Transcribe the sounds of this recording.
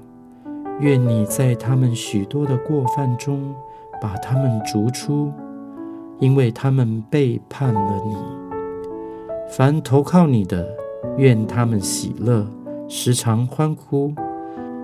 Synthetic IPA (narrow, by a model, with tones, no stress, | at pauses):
ɥɛ˥˩nni˨˩t͡sa˥˩ɪt̪ʰa˥mə˨nɕy˨˩t̪wɔ˥d̪ə˨kwɔ˥˧fa˥˩nʈ͡ʂʊ˥ŋ | pa˨˩t̪ʰa˥mə˨nʈ͡ʂu˧˥ʈ͡ʂʰu˥ | i˥nwe˥˩ɪt̪ʰa˥mə˨npe˥˧ɪpʰa˥˩nlə˨ni˨˩˦ | fa˧˥nt̪ʰo˧˥ʊkʰɑ˥˩ʊni˨˩d̪ə˦ɥɛ˥˩nt̪ʰa˥mə˨nɕḭ˨˩lɤ˥˩ | ʂɻ̩˧˥ʈ͡ʂʰɑ˧˥ŋxwa˥nkʰu˥